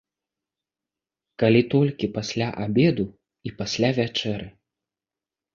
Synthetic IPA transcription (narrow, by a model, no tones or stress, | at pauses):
kalʲit̪ɔlʲkʲipasʲlʲaʔabʲɛd̪u | ipasʲlʲavʲat͡ʂɛɾɨ